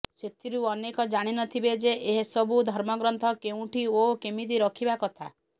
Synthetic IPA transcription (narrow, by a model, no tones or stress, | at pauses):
set̪ʰiɾuɔnekɔd͡ʒaɽ̃inɔt̪ʰibed͡ʒeʔeɦesɔbud̪ʱɔɾmɔɡɾɔnt̪ʰɔkeũʈiokemid̪iɾɔkʰibakɔt̪ʰa